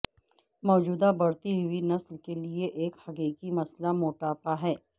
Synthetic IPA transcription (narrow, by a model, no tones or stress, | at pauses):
mɔːd͡ʒuːd̪abɐɽt̪iɦʊinɐslkelieʔeːkhɐkiːkimɐslamoːʈaːpaɦɛː